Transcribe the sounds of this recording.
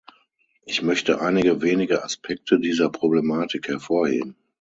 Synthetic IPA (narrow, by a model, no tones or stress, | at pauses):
ʔɪçmœçtəʔaɪnɪɡəveːnɪɡəaspʰɛk̚tʰədiːzɐpʁ̥oblemaːtʰɪkhɛɐfoːɐhḛːb̚m̩